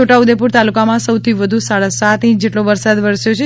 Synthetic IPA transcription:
oʈaud̪epuɾt̪alukamãsəwt̪ʰiʋəd̪ʱusaɭasat̪ĩt͡ʃd͡ʒeʈloʋəɾsad̪ʋəɾsjot͡ʃʰe

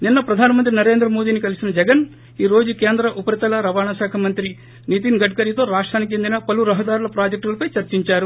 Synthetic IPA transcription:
ninːɐpɾɐd̪ʱaːnɐmɐnt̪̬ɾinɐɾe̞ːnd̪ɾɐmo̞ːd̪iːnikɐlisinɐd͡ʒɛɡɐn | iːɾo̞ːd͡ʒuke̞ːnd̪ɾɐʔupɐɾɐt̪ɐlɐɾɐʋaːnaːʃaːkʰɐmɐnt̪ɾi | nit̪inɡɐɖ̚kɐɾit̪o̞ːɾaːʂʈɾaːnikit͡ʃend̪inɐpɐluɾɐɦɐd̪aːɾulɐpɾaːd͡ʒek̚ʈulɐpɐjt͡ʃɐɾt͡ʃiɲt͡ʃaːɾu

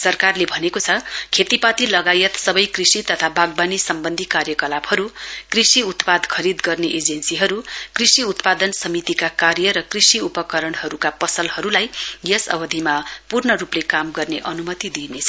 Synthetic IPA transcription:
sʌrkarlebʱʌnekot͡sʰʌkʰet̪ipat̪ilʌɡajʌt̪sʌbʌjkrisit̪ʌt̪ʰabaɡ̚banisʌmbʌnd̪ʱikarjʌkʌlabɦʌɾukrisiut̪pad̪kʰʌɾid̪ɡʌrneʔed͡zensiɦʌɾukrisiut̪pad̪ʌnsʌmit̪ikakarjʌɾʌkrisiupʌkʌɾʌɽɦʌɾukapʌsʌlhʌɾulajjʌsʌ̰bʌd̪ʱimapurnʌɾuplekamɡʌrneʔʌnumʌt̪id̪inet͡sʰʌ

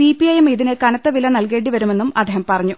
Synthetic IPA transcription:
ipiɐjemiðinɨkɐnɐt̪ːɐʋilɐnɐlke̞ːɳɖiʋɐɾume̞nːumɐd̪ʱeːɦɐmpɐrɐɲːu

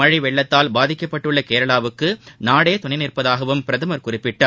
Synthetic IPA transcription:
ɐɻɪʋɛɭːɐt̪ːaːlbaːðɪkːɐpːɐʈːɯɭːɐkeːɾɐɭaːʋɯkːɯnaːɽeːt̪ʊɳɐɪnɪrpɐðaːɣɐʋɯmpɪɾɐðɯmɐɾkʊrɪpːɪʈːaːɾ

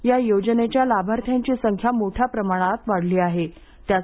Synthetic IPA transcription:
jajod͡ʑənet͡ɕjalabʱaɾt̪ʰjaɲt͡ɕiːsəŋkʰjamoʈʰjapɾəmaɽ̃at̪ʋaɽ̤liːaɦe | t̪ja

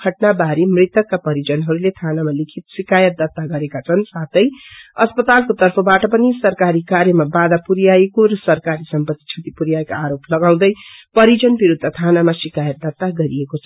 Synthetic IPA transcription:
kʰʌʈnabaɾimrit̪ʌkːapʌɾid͡zʌnɦʌɾulet̪ʰanamalikʰit̪̚sikajʌt̪̚d̪ʌt̪ːaɡʌɾekat͡sʰʌnsat̪ʌjʌspʌt̪alkot̪ʌrpʰʌbaʈʌpʌnisʌrkaɾikaɾjʌmabad̪apuɾijajekoɾʌsʌrkaɾisʌmpʌt̪ːi̥t͡sʰʌt̪ipuɾijaekaaɾoplʌɡaw̃d̪ʌjpʌɾid͡zʌnbiɾud̪ʱːʌt̪ʰanamasikajʌt̪̚d̪ʌt̪ːaɡʌɾiekot͡sʰʌ

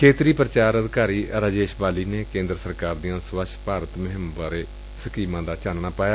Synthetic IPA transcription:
kʰeːt̪ɾiːpɾət͡ʃaːɾəd̪kaːɾiːəɾaːd͡ʒeːʃbaːliːneːkẽːnd̪ɾəsəɾkaːɾd̪ijãːsʋəʃpaːɾət̪mɪɦɪmbaːɾeː | səkiːmãːd̪aːt͡ʃaːnɳaːpaːjaː

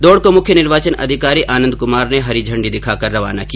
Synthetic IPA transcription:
d̪oːɽkomʊkʰjənɪɾʋaːt͡ʃənɐ̰d̪ʱɪkaːɾiʔaːnə̃nd̪̚kʊmaːɾneɦɐɾid͡ʒʱɐ̃ɳɖid̪ɪkʰaːkɐɾːɐʋa̰ːnaki

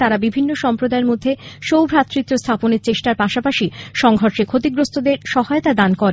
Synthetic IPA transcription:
t̪aɾabibʱinːoʃɔmpɾod̪aeɾmod̪ʱːeʃowbʱɾat̪ːɾit̪ːiost̪ʰaponeɾt͡ɕeʃʈaɾpaʃapaʃiʃɔŋɡʱɔɾʃekʰot̪iɡɾost̪ʰod̪eɾʃɔɦaeot̪ad̪ankɔɾe

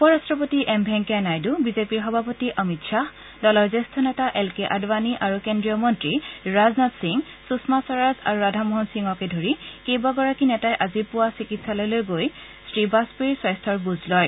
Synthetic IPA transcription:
upɔɹastɹɔpotiʔɛmbʱɛŋkɛanajdubizepiɹɦɔbʱapotiʔəmitʃa | dɔlɔjzestʰɔnɛtaʔɛlkeʔadbaniʔaɹukendɹijɔmɔntɹiɹaznatsiŋ | susmasɔɹaza̰ɹuɹadʱamɔɦɔnsiŋɔkedʱoɹikejbaɡɔɹakinɛtajʔazipʊwasikitsalɔjlojɡoj | sɹibaspuiɹsɔjstʰɔɹbuzlɔj

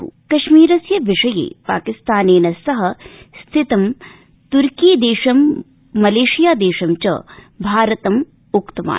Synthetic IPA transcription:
ṵkɐʃmiːɾɐsjɐʋiʂɐjḛːpa̰ːkist̪aːneːnɐsɐɦɐ̆st̪ʰɪt̪ɐm | t̪uɾkiːd̪eːʃɐmː | ɐleːʃijaːd̪eːʃɐmt͡ʃɐ̰ | bʱaːɾɐt̪ɐm | ʊkt̪ɐʋa̰ː

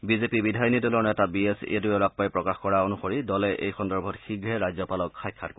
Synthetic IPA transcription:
bizepibidʱajnidulɔnɛtabiesḛdujɔɹapːajpɹɔkaxkɔɹaonuxoɹidɔlɛʔḛjxɔndɔɹbʱɔtxiɡɹɛɹajzɔpalɔkxajkʰːa̰tko

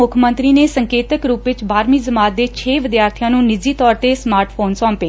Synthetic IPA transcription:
ʊkʰmə̃nt̪ɾiːneːsəŋkeːt̪əkɾuːpʋɪt͡ʃbaːɾmiːzəmaːt̪̚d̪eːt͡ʃʰeːʋɪd̪jaːɾt̪ʰijãːnũːnɪd͡ʒiːt̪ɔːɾt̪eːsmaːɾʈʰpʰoːnsɔ̃ːmpeː

